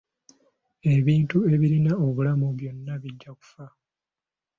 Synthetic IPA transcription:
e̞βiːntue̞βiɾinao̞βulamuβjo̞nːaβiɟːaku̥fa

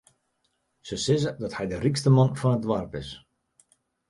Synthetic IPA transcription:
səsɪzədɔthɛjdərikstəmɔnfɔnədʋarpɪs

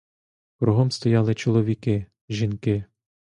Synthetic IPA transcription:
kɾuɦɔmst̪ɔjɑlˠɪt͡ʃɔlˠɔʋʲikɪ | ʒinkɪ

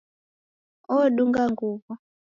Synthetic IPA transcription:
ɔɗuŋɡaŋɡuːvɔ

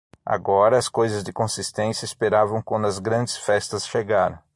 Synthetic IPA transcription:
a̰ɡɔɾɐɐskojzɐzd̪ɪkõsist̪ẽsjɐespeɾavɐ̃w̃kɐ̃nd̪ɐzɡɾɐ̃nd͡ʒɪsfɛst̪ɐsʃeɡaɾɐ̰̃

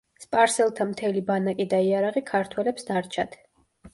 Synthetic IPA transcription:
spʼaɾsɛlˠt̪ʰamt̪ʰɛlibanakʼid̪aiaɾaʁikʰaɾt̪ʰwɛlɛpsd̪aɾt͡ʃʰad̪̥

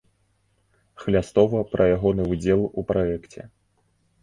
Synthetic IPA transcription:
xlʲast̪ɔvɐpɾʔɐjaɣɔnɨud͡zʲɛlˠupɾajɛkt͡sʲɛ̰

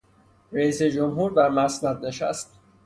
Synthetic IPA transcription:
ɾæiːsed͡ʒomɦuːɾd̪æɾmæsnæd̪̚ne̞ʃæ̰st̪

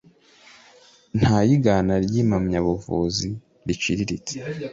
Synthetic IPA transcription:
n̥hajiɡanaɾɟiːmamɲaβuvṵzi | ɾit͡ʃiɾiɾite̥

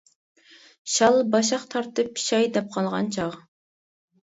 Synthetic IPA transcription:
ʃɑlˠbɑʃɑqt̪ʰɑɾt̪ɨpʃɑjd̪ɛp̚qʰɑlˠʁɑ̰nt͡ʃʰɑʁ

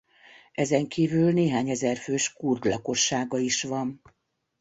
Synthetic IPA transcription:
ɛzɛŋkiːvylneːɦaːɲɛzɛrføːʃkurd̪lɒko̞ʃːaːɡɒiʃʋɒn

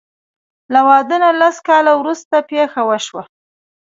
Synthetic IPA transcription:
lawɑd̪ənalaskɑlawɾust̪apexawəʃwa

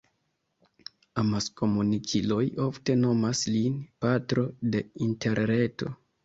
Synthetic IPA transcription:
amaskʰo̞munikʰilo̞jo̞fte̞no̞maslinpatɾo̞de̞inte̞ɾɾe̞to̞

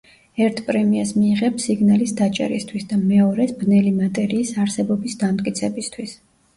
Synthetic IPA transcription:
ɛɾt̪ʰpʼɾɛmiasmiːʁɛpsiɡnalisd̪at͡ʃʼɛ̰ɾḭst̪ʰwisd̪amɛɔɾɛsbnɛlimat̪ʼɛɾiːsaɾsɛbɔbisd̪amt̪ʼkʼit̪sʰɛbist̪ʰwis

